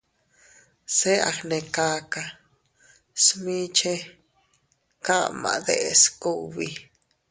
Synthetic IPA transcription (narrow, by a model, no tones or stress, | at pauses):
seʔa̰xnekaka | smĩt͡ʃe | kamã̰d̪eʔeskuʔβi